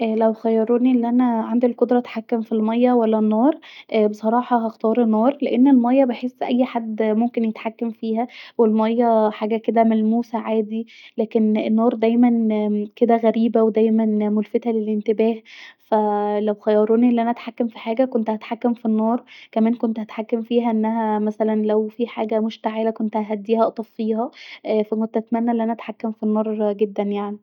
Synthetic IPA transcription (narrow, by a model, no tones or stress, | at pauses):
ʔæːlæwxæjːɑɾˤoːniʔelːiʔænæʕand̪ilkod̪ɾˤɑæt̪ħakːæmfilmɑjːæwælːænːɑːɾˤʔbesˤɑɾˤɑːħɑɦɑxt̪ɑːɾˤenːɑːɾˤleʔenːelmɑjːæbeħesːʔæjːħad̪ːmomkenjet̪ħakːæmfiːhæwelmɑjːæħaːɡæked̪æmælmuːsæʕaːd̪ilæːkenenːɑːɾˤd̪æjmænked̪æɣæɾiːbæwed̪æjmænmolfet̪hælelʔent̪ebæːhfælæwxæjɑːɾˤoːniʔelːiʔænæʔæt̪ħakːæmfiħaːɡækont̪hæt̪ħakːæmfinːɑːɾˤkæmæːnkont̪hæt̪ħakːæmfiːɦæʔenːæɦæmæsælænlæwfiħaːɡæmoʃt̪aʕelækont̪hæɦæd̪ːiːhæʔɑʔt̪ˤɑffiːɦæʔfækont̪ʔæt̪mænːæʔeliʔænæʔæt̪ħakːæmfinːɑːɾˤɡed̪ːænjaʕni